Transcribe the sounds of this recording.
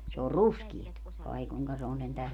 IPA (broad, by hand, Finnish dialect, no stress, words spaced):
se or ruskiet ɑi kuŋkɑ se on sentæ